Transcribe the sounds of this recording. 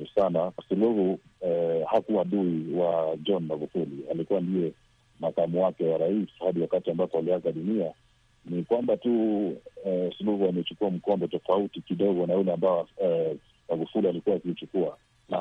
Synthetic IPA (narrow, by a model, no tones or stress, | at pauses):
sanasuluhu | hakuaɗuiwad͡ʒɔnmaɡufulialikuwandijɛ | makamuwakɛwaɾaishaɗiwakatiambapɔaliakaɗunia | nikwambatu | suluhuamɛt͡ʃukuam̩kɔambɔtɔfautikiɗɔɣɔnajulɛamba | maɡufulialikuwakiit͡ʃukua | na